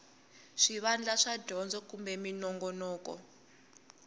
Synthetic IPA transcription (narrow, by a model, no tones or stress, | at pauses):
ʂiβand͡ɮaʂadʱɔnd͡zɔkumbɛminɔŋɡɔnɔːkɔ̰